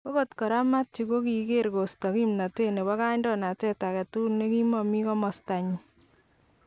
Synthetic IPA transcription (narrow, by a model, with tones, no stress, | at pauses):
ko˦ko˦tkɔ˨ɾa˦ma˦t̚t͡ʃi˨ko˦ki˨ke˦ɾko˨stɔ˨ki˦mna˨te˦ne˨ba˦ka˦ɲdɔ˦na˨tɛ˦ta˨kɛ˨tu˦ne˦ki˦mɔ˨mi˦kɔ˦mɔ˨sta˨ɲi˨